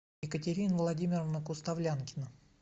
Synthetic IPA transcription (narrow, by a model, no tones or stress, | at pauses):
jɪkətʲɪɾʲinvlˠɐdʲimʲɪrəvnəkʊst̪ɐvlʲankʲɪnə